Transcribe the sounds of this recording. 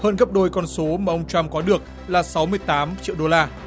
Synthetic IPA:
həː˧nɣə˦˥p̚ɗo˧˩jkɔ˧nso˨˦mmaː˨˩ʔə˧wŋ͡mt͡ɕa˧mkɔ˨˦ɗɨ˨˩ək̚ | laː˨˩sa˨˦wmɨ˧əjt̪aː˨˦mt͡ɕḭ˧˨əwɗo˧laː˧

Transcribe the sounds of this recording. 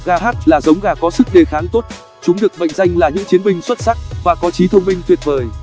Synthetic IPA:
ɣaː˧ɦaː˦˥t̚laː˨˩zə˨˦wŋ͡mɣaː˧˩kɔ˨˦sɨ˦˥k̚ɗe˨˩xaː˨˦nt̪o˦˥t̚ | t͡ɕʊ˨˦ŋ͡mɗɨ˨˩ək̚ɓə̰˧˨jŋ̟za˧jŋ̟laː˨˩ɲɨ̰˧˥ŋt͡ɕi˨˦ənmï˧ŋ̟swə˦˥t̚sa˦˥k̚vaː˨˩kɔ˨˦t͡ɕi˨˦t̪ʰə˧wŋ͡mmï˧ŋt̪wi˨˩ət̚vəː˨˩j

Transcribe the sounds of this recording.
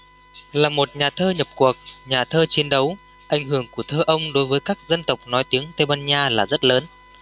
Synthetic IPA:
laː˨˩mo˨˩t̚ɲaː˨˩t̪ʰəː˧ɲə˨˩p̚ku˨˩ək̚ɲaː˨˩t̪ʰəː˧t͡ɕi˨˦ənɗə˨˦w | ʔa˧˩jŋ̟hɨ˧˩əŋku˧˩ət̪ʰəː˧ʔə˧wŋ͡mɗo˨˦jvəː˨˦jkaː˦˥k̚zə˧nt̪ə˨˩wk͡p̚nɔ˨˦jt̪i˨˦əŋt̪e˧ɓaː˧nɲaː˧laː˨˩zə˦˥t̚ləː˨˦n

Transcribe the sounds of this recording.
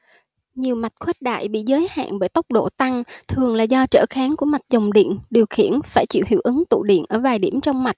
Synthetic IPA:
ɲi˨˩əwma˨˩jt̚xʰwe˦˥t̚ɗa̰ː˧˨jɓḭ˧˨zəː˨˦jha̰ː˧˨nɓəː˧˩jt̪ə˦˥wk͡p̚ɗo̰˧˨t̪a˧ŋt̪ʰɨ˨˩əŋlaː˨˩zɔ˧t͡ɕə̰ː˧˩xaː˨˦nku˧˩əma˨˩t̚zə˨˩wŋ͡mɗḭ˧˨ənɗi˨˩əwxḭ˧˩˨ənfaː˧˩jt͡ɕḭ˧˨whḭ˧˩əwʔɨ˨˦ŋt̪ṵ˧˨ɗḭ˧˨ənʔəː˧˩vaː˨˩jɗi˧˩əmt͡ɕɔ˧wŋ͡mma˨˩jt̚

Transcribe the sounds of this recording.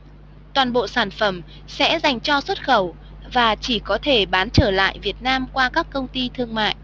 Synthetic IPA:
t̪waː˨˩nɓo̰˧˨saː˧˩nfə˧˩m | sɛ̰˧˥za˨˩jŋ̟t͡ɕɔ˧swə˦˥t̚xə˧˩w | vaː˨˩t͡ɕi˧˩kɔ˨˦t̪ʰe˧˩ɓaː˨˦nt͡ɕəː˧˩la̰ː˧˨jvi˨˩ət̚naː˧mkwaː˧kaː˦˥kːə˧wŋ͡mt̪i˧t̪ʰɨ˧əŋma̰ː˧˨jʔ

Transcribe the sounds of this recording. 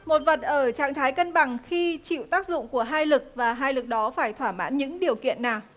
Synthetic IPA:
mo˨˩t̚və˨˩t̚ʔəː˧˩t͡ɕa̰ː˧˨ŋt̪ʰaː˨˦jkə˧nɓa˨˩ŋxi˧t͡ɕḭ˧˨wt̪aː˦˥k̚zʊ̰˧˨ŋ͡mku˧˩əɦaː˧jlɨ˨˩k̚vaː˨˩ɦaː˧jlɨ˨˩k̚ɗɔ˨˦faː˧˩jt̪ʰwaː˧˩ma̰ː˧˥nɲɨ̰˧˥ŋɗi˨˩əwkḭ˧˨ənːaː˨˩w

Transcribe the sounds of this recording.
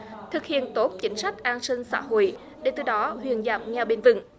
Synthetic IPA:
t̪ʰɨ˨˩k̚hḭ˧˨ənt̪o˦˥t̚t͡ɕï˨˦ŋ̟sa˦˥jk̟̚ʔaː˧nsï˧ŋ̟sa̰ː˧˩ho̰˧˨j | ɗe˧˨˩t̪ɨ˨˧˩ɗɔ˨˦hwḭ˧˨ənzaː˧˩m̚ŋɛ˧wɓe˧nvɨ̰˧˩˨ŋ

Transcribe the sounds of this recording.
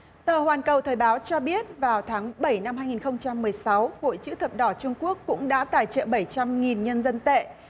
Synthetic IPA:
t̪əː˨˩hwaː˨˩nkə˨˩wt̪ʰəː˨˩jɓaː˨˦wt͡ɕɔ˧ɓi˦˥ət̚vaː˨˩wt̪ʰaː˨˦ŋɓə˧˩jna˧mɦaː˧jŋi˨˩nxə˧wŋ͡mt͡ɕa˧mːɨ˨˩əjsa˨˦who̰˧˨jt͡ɕɨ̰˧˥t̪ʰə˨˩p̚ɗɔ˧˩t͡ɕʊ˧ŋ͡mku˦˥əkːʊ̰˧˥ŋ͡mɗa̰ː˧˥t̪aː˧˩jt͡ɕə̰ː˧˨ɓə˧˩jt͡ɕa˧mŋi˨˩nɲə˧nzə˧nt̪ḛ˧˨

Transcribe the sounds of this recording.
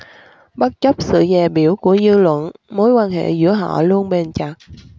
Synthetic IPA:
ɓə˦˥t̚t͡ɕə˦˥p̚sɨ̰˧˨zɛː˨˩ɓi˧˩əwku˧˩əzɨ˧lwə̰˧˨nmo˨˦jkwaː˧nɦḛ˧˨zɨ̰˧˥əɦɔ̰˧˨lu˧ənɓe˨˩nt͡ɕa˨˩k̚

